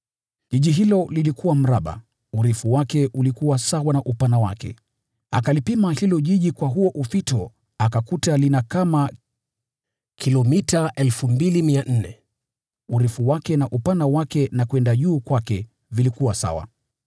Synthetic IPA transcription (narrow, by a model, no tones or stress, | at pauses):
ʄiʄiɦilɔlilikʰuwam̩ɾaɓa̰ | uɾɛfuwakɛʔulikuwasawanaʔupanawa̰kɛ̰ | a̰kalipimahilɔʄiʄikwaɦuɔʔuθitɔ | akakutalinakama | kʰilɔmitaʔɛlfumbilimian̩nɛ | uɾɛfuwakɛnaʔupanawakɛnakwɛndaʄuːkwakɛ | vilikuwasa̰wa̰